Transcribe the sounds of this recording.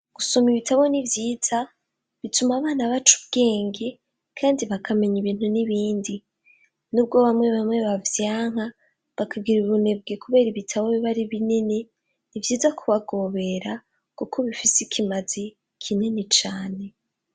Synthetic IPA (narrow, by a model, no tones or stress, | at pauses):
ɡ̥uso̞miβitaβo̞nivjiːz̥a | βitumaβaːnaβat͡ʃu̥bɡe̞ːŋɡe | kʰaːndiβakʰame̞ɲiβiːn̥huniβiːndi | nub̚ɡo̞βamŋe̞βamŋe̞βavjaːŋ̥a | βakʰaɡiɾuβune̞b̚ɡekuβe̞ːɾiβitʰaβoβiβaɾiβinine | nivjiːzakʰuβaɡo̞ːβe̞ɾa | kukʰo̞βifisikʰimaz̥i | kʰinenet͡ʃaːne̞